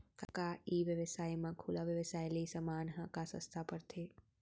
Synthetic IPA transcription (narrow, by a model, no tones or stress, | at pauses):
kakaiʋjəʋəsaːjmãkʰuːlaʋjəʋəsaːjliisəmaːnɦə̃kasə̰̃st̪ʰapəɾt̪ʰeː